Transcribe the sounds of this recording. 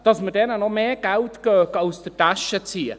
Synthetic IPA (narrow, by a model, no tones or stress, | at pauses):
d̥asmədɛnənɔmeːɡawtɡ̥øːkawsdəd̥aʃət͡siːə